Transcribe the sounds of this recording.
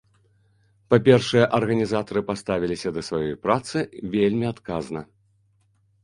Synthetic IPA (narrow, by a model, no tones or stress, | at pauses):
papʲɛrʂɐjɛʔɐrɣɐnʲizat̪ɐɾɨpast̪avʲilʲisʲɐd̪ɐsvajɔjpɾat̪sɨvʲelʲmʲiat̪kaznɐ